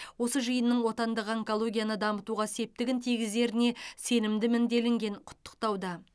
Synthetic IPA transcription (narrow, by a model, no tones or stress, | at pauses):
wo̞səʒəjənːəɴwo̞t̪ɑnd̪əʁeŋko̞lˠo̞ɡʲijanəd̪ɑmət̪uʁɑse̞p̚t̪ɪɡʲɪnt̪ʰiɡʲɪzd̪e̞ɾɪne̞se̞nɪmd̪ɪmɪnd̪e̞lɪŋɡʲe̞ɴqʰʊ̥t̪ːə̥q̚t̪ɑwd̪ɑ